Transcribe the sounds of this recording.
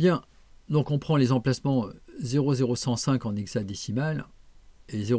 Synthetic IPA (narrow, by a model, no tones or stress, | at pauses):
bjɛ̃ | d̪ɔ̃kɔ̃pχɑ̃lezɑ̃plasmɑ̃zeʁozeʁosɑ̃sɛ̃kɑ̃neɡzad̪isimal | eze